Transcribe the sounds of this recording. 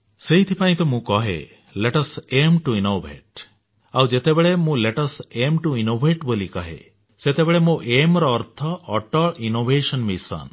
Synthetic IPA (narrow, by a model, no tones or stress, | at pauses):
seɦit̪ʰipaĩt̪ɔmũkɔɦḛ | leʈɔsemʈuinobʱḛʈ | awd͡ʒet̪ebeɭemũleʈɔsemʈuinobʱeʈbolikɔɦḛ | set̪ebeɭemũʔemɾɔːɾt̪ʰɔːʈɔɭinobʱesɔnmisa̰n